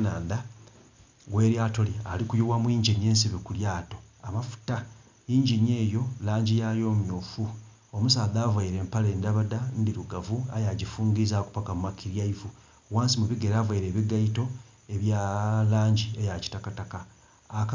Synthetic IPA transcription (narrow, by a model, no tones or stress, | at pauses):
naːnda | ɡwe̞ːɾjaːto̞lialikujuwamwiːɲɟiɲe̞ːnsiβikuljaːto̞amafu̥ta | iːɲɟiɲje̞ːjo̞laːɲɟijajo̞ːmjoːfu | omusaːðaːvaiɾe̞ːmpale̞ːndaβadandiɾuɡavuajaɟifuːŋɡizaku̥pakamumakʰiɾjaivu | waːnsimuβiɡe̞ɾaːvaiɾe̞ːβiɡaito̞ | e̞βjalaːɲɟie̞jaci̥takatakaː | k